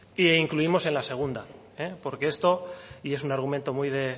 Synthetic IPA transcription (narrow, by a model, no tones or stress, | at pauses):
iiŋkluimo̞se̞nlase̞ɣ̞und̪a | epo̞ɾke̞est̪o̞ie̞sunaɾɣ̞ument̪o̞mujðe̞